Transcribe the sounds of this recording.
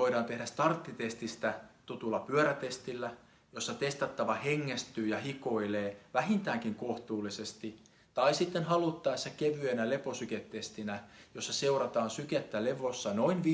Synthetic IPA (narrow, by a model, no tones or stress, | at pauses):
oiɾɑːnt̪ehdæst̪ɑrt̪ːit̪est̪ist̪æt̪ut̪ulːɑpyøɾæt̪est̪ilːæ | josːɑt̪est̪ɑt̪ːɑʋɑheŋːest̪yːjɑhikoileːʋæhint̪æːŋkiŋkoht̪uːlːisest̪i | t̪ɑisit̪ːenhɑlut̪ːɑːesːækeʋyenæleposyket̪ːest̪inæjosːɑseurɑt̪ɑːnsyket̪ːæleʋosːɑnoinʋ